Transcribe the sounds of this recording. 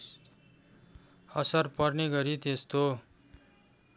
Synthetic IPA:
ʌsʌrpʌrneɡʌɾit̪est̪o

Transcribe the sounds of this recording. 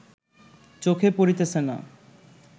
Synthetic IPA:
t͡ɕokʰepoɾit̪esʰena̰

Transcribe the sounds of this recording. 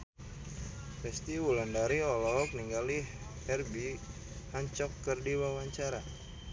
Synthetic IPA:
pɛst̪iwulandaɾiɔlɔɦɔk̚niŋɡali | hɛrbi | haɲt͡ʃɔkːərdiwawaɲt͡ʃaɾa

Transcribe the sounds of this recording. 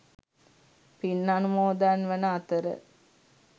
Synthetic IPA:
pinːanumoːd̪anʋanəat̪əɾə̰

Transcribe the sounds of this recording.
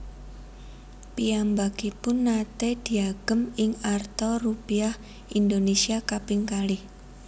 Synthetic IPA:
piambaɡ̥ipʊnːat̪ed̪̥i̤aɡ̥əmɪŋart̪orupiah | ind̪onesiakapɪŋkalɪh

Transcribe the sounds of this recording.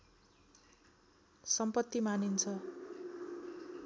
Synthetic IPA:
sʌmpʌt̪ːimanint͡sʰʌ

